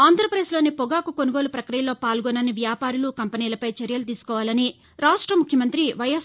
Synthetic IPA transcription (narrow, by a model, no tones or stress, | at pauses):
aːnd̪ʱɾɐpɾeːslo̞ːnipɔɡaːkukonuɡo̞ːlupɾɐkɾijɐloːpaːlɡɔnɐniʋjaːpaːɾulukɐmpɐniːlɐpɐjt͡ʃɐɾjɐlut̪̬iːsu̥kɔːʋaːlɐni | ɾaːʂʈɾɐmukʰjɐmɐnt̪ɾiʋɐjɐs